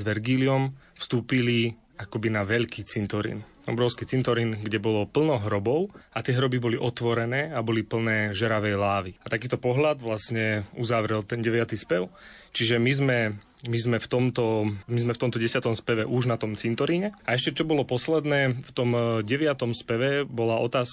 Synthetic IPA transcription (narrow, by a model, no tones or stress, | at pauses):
zʋɛɾɡiːliɔm | fst̪uːpili | akɔbinaʋɛʎkiːt͡sint̪ɔɾḭːn | ɔ̰bɾɔʊskiːt͡sint̪ɔɾinɡɟɛbɔlɔpl̩nɔɦɾɔbɔʊat̪ɪɛɦɾɔbibɔliʔɔt̪ʋɔɾɛnɛːabɔlipl̩nɛːʒɛɾaʋɛjlaːʋiat̪akiːt̪ɔpɔɦʎad̪ʋlasɲɛuzaʋɾɛlt̪ɛnɟɛʋɪat̪ispɛʊ | t͡ʃiʒɛmizmɛ | mizmɛft̪ɔmt̪ɔmizmɛft̪ɔmt̪ɔɟɛsɪat̪ɔmspɛʋɛʔuʒnat̪ɔmt͡sint̪ɔɾiɲɛaɛʃcɛt͡ʃɔbɔlɔpɔslɛd̪nɛːft̪ɔmɟɛʋɪat̪ɔmspɛʋɛbɔlaɔt̪aːs